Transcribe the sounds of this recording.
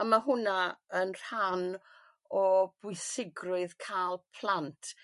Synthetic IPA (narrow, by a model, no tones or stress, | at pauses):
amaɦʊnaənr̥an | ɔb̥ʊɨsɪɡrʊɨðkʰalˠpʰlˠantʰ